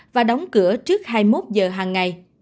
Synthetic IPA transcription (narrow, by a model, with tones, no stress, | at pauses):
vaː˨˩ɗa˨˦wŋ͡mkɨ˧˩ət͡ɕɨ˦˥ək̚haː˧jmo˦˥t̚zəː˨˩ɦaː˨˩ŋːa˨˩j